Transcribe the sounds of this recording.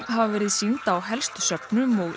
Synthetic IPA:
ɦavvɛːɾɪðsint̪awɦɛlst̪sœpnʏmɔɣ

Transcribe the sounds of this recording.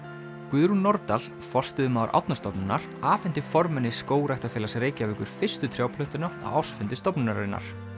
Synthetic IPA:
kʏðɾunɔɾt̪al̥ | fɔr̥st̪ɪʏmaːwaɾʔa̰wt̪nast̪ɔpnʏnːaɾ̥aːfɛnt̪ɪfɔɾmɛnːɪskoːwɾajht̪afɛːlasreːjcɪavʏkʏɾ̥fɪr̥st̪ʏt̪ʰɾjaːwpʰlœht̪ʏnaa̰wawsfʏnt̪ɪst̪ɔpnɪnaɾɪ̰nːa̰ɾ̥

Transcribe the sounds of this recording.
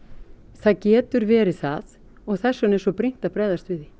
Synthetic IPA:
θaðcɛːt̪ʏɾvɛːɾɪθað | ɔɣθɛsːʏnɛsɔpɾijn̥t̪aðpɾaːjðast̪vɪði

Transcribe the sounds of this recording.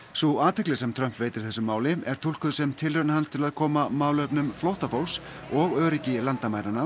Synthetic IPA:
suaːt̪ʰɛhklɪ̥sɛmt̪ʰɾœm̥pveːjt̪ɪɾ̥θɛsʏmːaːwlɪɛɾ̥t̪ʰul̥kʏðsɛmt̪ʰɪlœɾnahɦanst̪ʰɪlaðkʰɔːmamaːwlœpnʏmflowht̪afow̪s | ɔɣœːɾicɪlant̪amaːjɾanːa

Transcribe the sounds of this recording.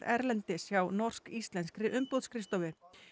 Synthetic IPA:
ɛ̰ɾlɛnt̪ɪsjawnɔr̥skist̪lɛnskɾɪʔʏmpowðskʰɾɪst̪ɔvɪ

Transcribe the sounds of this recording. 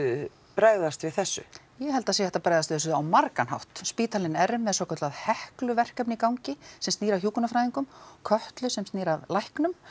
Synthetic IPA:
pɾaːjðast̪vɪðθɛsːʏ̰ | jɛɦɛlt̪asejaɛt̪apɾaːjðast̪ɪθɛsʏawmaɾkanha̰wht̪spiːt̪ʰalɪnɛɾmːɛðsɔːkʰɔt̪laðhɛhklʏvɛr̥kɛpnɪikawɲcɪsɛmst̪iːɾaçjuːkʏnafɾajðiŋkʏmkʰœht̪lʏsɛmst̪niːɾavlajhknʏm

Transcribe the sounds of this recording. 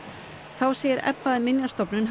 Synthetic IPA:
θawseːjɪɾɛ̰pːaðɪmɪnjast̪ɔpnʏnɦ

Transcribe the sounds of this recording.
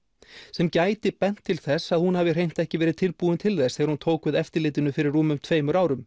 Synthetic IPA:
sɛmcaːjt̪ɪpɛn̥t̪ʰːɪlθɛsːaðhunhaːvɪr̥ejn̥t̪ɛhcɪvɛːɾɪðt̪ʰɪlpuːʏnt̪ʰɪlθɛsɛːɣaɾhunt̪ʰoːwkvɪðɛft̪ɪɾlɪːt̪ɪnʏfɪɾɪrːuːmʏmt̪ʰveːjmʏɾaːwɾʏm

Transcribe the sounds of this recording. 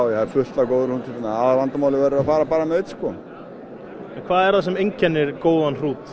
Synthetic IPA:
wjɛhaɪɾfʏh̪t̪lakowðɪɾhunt̪ʰɪt̪ːɪnaaːðvant̪amawlɪvɛɾɪɾafaːɾapaːɾamɛejt̪skɔ | ɛnkʰvaːðɛɾ̥θasɛmejɲcʰɛnːɪɾ̥koːwðanr̥uːt̪

